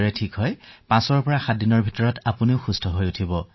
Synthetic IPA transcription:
ɹɛtʰikɦɔjpãsɔɹpɔɹaxadinɔɹbʱitɔɹɔtapuniʊxustʰɔɦojutʰibɔ

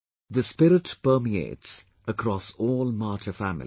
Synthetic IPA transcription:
d̪əspɪɾɪʈpəːmiḛːʈs | əkɾɔsɔːlmaːtʰəfæmɪ̰l

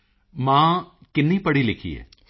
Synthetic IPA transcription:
mãːkɪnːipɐɽilikʰːḭjḛ

